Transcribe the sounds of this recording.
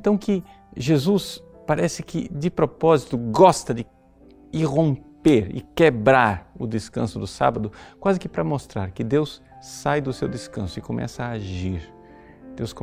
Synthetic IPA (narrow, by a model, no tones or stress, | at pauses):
t̪ɐ̃w̃kɪ | ʒezus | paɾɛsɪkɪd͡ʒɪpɾopɔzit̪ʊɡɔst̪ɐd͡ʒɪ | ɪʁõmpeɾɪ̰kebɾaɾʊd̪ɪskɐ̰̃sʊd̪ʊsa̰bɐd̪ʊkwazɪkɪpɾɐmost̪ɾaɾkɪd̪ews | sajd̪ʊsewd̪ɪskɐ̰̃sʊɪkomʔɛ̰sɐaːʒiɾ | d̪̥ewsko